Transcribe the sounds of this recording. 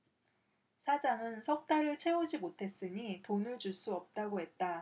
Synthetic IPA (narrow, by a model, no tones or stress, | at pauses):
sʰad͡ʑaŋɯnsʰʌk̚t͈aɾɯɭt͡ɕʰe̞ud͡ʑimotʰe̞s͈ɯɲitonɯɭd͡ʑuɭs͈uʌp̚t͈aɡoɦe̞t̚t͈a